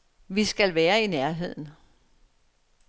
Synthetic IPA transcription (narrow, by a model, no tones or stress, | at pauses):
ʋisɡ̥ælʋæːɐinæɐɦe̝ð̞̰ˠn̩